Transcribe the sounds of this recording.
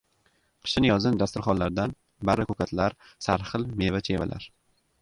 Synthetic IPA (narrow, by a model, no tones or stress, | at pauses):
qʰɨ̥ʃɪnɪjɒzɪnd̪ast̪ʊɾχɒnlːaɾd̪an | baɾɪkɵkʰat̪ʰlaɾ | saɾχɨlˠme̞vat͡ʃʰe̞va̰lʔa̰ɾ